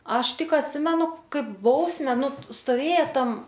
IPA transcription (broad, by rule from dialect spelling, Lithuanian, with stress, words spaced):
ˈɐʃ ˈtʲɪk ɐtʲˈsʲɪmʲɛnʊ ˈkɐɪp ˈbɐʊsʲmʲɛ ˈnʊ stoːˈʋʲeːjɛ ˈtɐm